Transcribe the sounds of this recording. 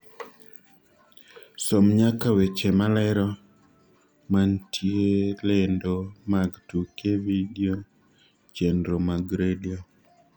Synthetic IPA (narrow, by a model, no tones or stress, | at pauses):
somɲakawet͡ʃemalɛɾɔ | mantʰjelendomaɡtukeviɡio | t͡ʃendɾomaɡɾedio